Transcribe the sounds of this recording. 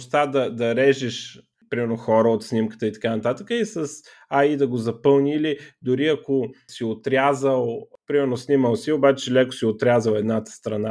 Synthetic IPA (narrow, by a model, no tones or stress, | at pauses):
st̪ad̪ɐd̪ɐɾɛʒiʃ | pɾimɛɾnoxɔɾəot̪snimkə̥t̪əit̪ɐ̥kanɐt̪at̪əkəisəs | aid̪ɐɡozɐpɤlˠnilid̪ʊɾiɐkosiot̪ɾʲjazəlˠpɾimɛɾnosniməlˠsiobat͡ʃɛlɛkʊ̥siot̪ɾʲazəlˠɛd̪nat̪ə̥st̪ɾɐna